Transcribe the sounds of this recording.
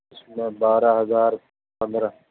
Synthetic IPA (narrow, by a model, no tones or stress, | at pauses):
smẽbaːɾaɦɐzaːɾ | pɐ̃nd̪ɾa